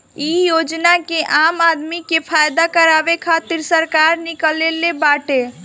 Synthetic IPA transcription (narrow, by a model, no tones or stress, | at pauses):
ijod͡ʒnakeʔamad̪mikepʰajd̪akəɾabekʰat̪iɾsəɾkaɾnikəlelebaʈe